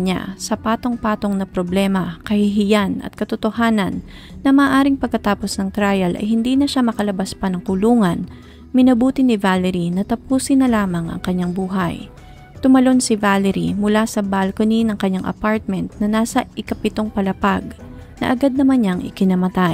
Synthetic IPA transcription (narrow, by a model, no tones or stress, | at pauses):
ɲa̰sɐpaːt̪o̞ŋpaːt̪o̞ŋnɐpɾoblɛːmɐkɐhɪɦɪjanɐ̰t̪̚kɐt̪ot̪ohaːnɐ̰nː | ɐmɐaːʔaːɾɪŋpɐɡ̚kɐt̪aːpo̞snɐŋt̪ɾajɐlʔɐ̰jɦɪnd̪inɐʃamɐkɐlɐbaspɐnɐŋkʊluːŋɐn | mɪnɐbuːt̪ɪnɪvalɛɾinɐt̪ɐpuːsɪnːɐlaːmɐŋʔɐ̰ŋkɐɲːaŋbuːɦɐ̰j | t̪ʊmɐlo̞nsɪvalɛɾḭmʊlasɐbalkoninɐŋkɐɲːaŋʔɐ̰paɹt̪̚mɛnt̪̚nɐnaːsɐʔɪkɐpɪt̪oŋpɐlɐpaɡ | nɐ̰ʔɐɡad̪̚nɐmanɲaŋʔɪ̰kɪnɐmɐt̪aj